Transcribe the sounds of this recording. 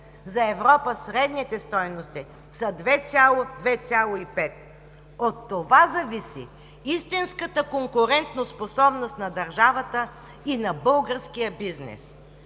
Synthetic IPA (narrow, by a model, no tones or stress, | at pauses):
zɐɛvɾɔpəsɾɛd̪nit̪ɛst̪ɔjnost̪i | sɐd̪vɛsʲalˠod̪vɛt͡s̪ʲalˠoipɛt̪̚ | ot̪ːovazɐvisḭ | ist̪inskət̪əkoŋkʊɾɛnt̪nosposɔbnost̪nɐd̪ɐɾʒavət̪ə | inɐbɤlˠɡəɾskijəbiznɛ̰s